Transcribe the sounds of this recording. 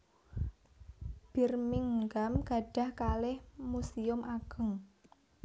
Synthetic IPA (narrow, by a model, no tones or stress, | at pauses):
b̥i̤rmiŋɡamɡ̥a̤ɖ̥a̤hkalɪhmusiʊmʔaɡ̥ə̤ŋ